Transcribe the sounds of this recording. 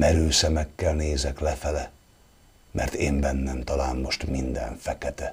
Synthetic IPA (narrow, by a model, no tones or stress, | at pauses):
mɛɾøːsɛmɛkːɛlneːzɛklɛfɛlɛ | mʔɛ̰rt̪eːmbɛnːɛmt̪ɒlaːnmo̞ʃt̪mind̪ɛ̰ɱfɛkɛt̪ɛ